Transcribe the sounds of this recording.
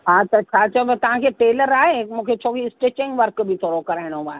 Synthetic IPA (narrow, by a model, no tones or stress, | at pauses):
ɦat̪ɐt͡ɕʰaːt͡ɕɐbɐt̪ɐʋ̤ãkʰeːʈeːləɾaːɦekmũːkʰet͡ɕʰoːʋisʈeːt͡ɕɪ̃ŋɡʋɐɾkbʱɪt̪ʰoːɾokɐɾaːɪɽ̃oaːɦe